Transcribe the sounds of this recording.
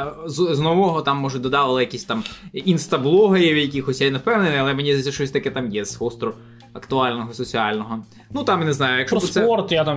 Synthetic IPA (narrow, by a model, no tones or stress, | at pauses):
zznɔʋɔɦɔt̪ɑmːɔʒʊd̪ɔd̪ɑʋɪlˠɪjɐkʲisʲt̪ɑminst̪ɐblˠɔɦɐjiwʲjɐkʲixɔsʲjɛnewpɛwnenɪɐlˠɛmenʲisʲɛʃt͡ʃɔsʲt̪ɐkɛt̪ɑmjɛz̥hɔst̪ɾʊ | ɐkt̪ʊɑlʲnɔɦɔsɔt͡sʲiɑlʲnɔɦɔ | nut̪ɑmjneznɑjʊjɐkʃsɛɔrt̪jat̪am